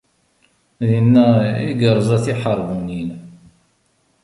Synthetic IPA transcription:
ðinːæḭɡəɾˤzˤæθiħəɾˤvunin

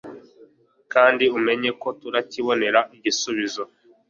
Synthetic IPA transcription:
kaːndiume̞ɲe̞ko̞tuɾaciβo̞ne̞ɾaʔiɟisuβizo̞

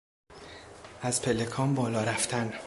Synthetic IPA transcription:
æzpʰe̞lekʰɒːmbɒːlɒːɾæft̪ʰæn

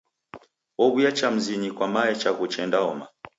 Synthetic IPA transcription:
ɔβujat͡ʃam̩ziɲikwamaɛt͡ʃaɣut͡ʃɛndaɔma

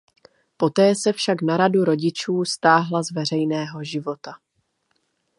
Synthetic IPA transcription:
po̞t̪ɛːsɛfʃaknaɾaduɾo̞ɟɪt͡ʃuːst̪aːɦlazvɛr̝ɛjnɛːɦo̞ʒɪvo̞t̪a

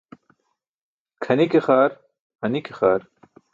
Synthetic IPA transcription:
kʰɐnikeχaːɾ | ɐnikexaːɾ

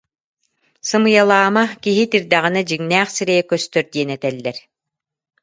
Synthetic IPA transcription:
sɯmɯjalˠaːmakiɦit̪iɾd̪aʁinad͡ʑiŋnæːχsiɾɛjɛkœst̪œɾd̪iɛnɛt̪ɛlːɛɾ

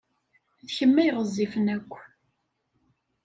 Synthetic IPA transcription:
ðçəmːæjʁəzˤːifənækʷː

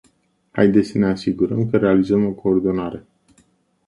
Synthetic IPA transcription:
ha̰jd̪esəne̞asiɡuɾəmkəɾe̞alizəmo̞ko̞ːrd̪o̞naɾe̞

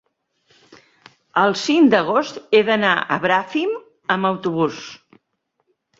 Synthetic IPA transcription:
əlˠsiŋd̪əɣ̞ost̪eðənaə̰βɾafim | əməwt̪uβ̞us

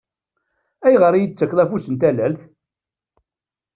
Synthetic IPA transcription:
æjʁəɾijət͡sːəkːðˤæfusənt̪ælælθ

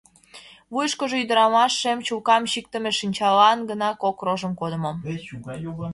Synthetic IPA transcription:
βujʃkoʒoyd̪əɾɑmɑʃːemt͡ɕulkɑmɕik̚t̪ə̆meʃinʲt͡ɕɑlɑnɡənɑkokroʒəmkod̪ə̆mom

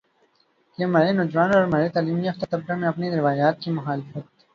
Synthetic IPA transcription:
jemɐɾenod͡ʒʋaːnɔːɾmɐɾet̪aːliːmiɐft̪at̪ɐb̚ɾamẽɐpneɾɪʋaːjaːt̪̚kimʊxaːlɪfət̪̚

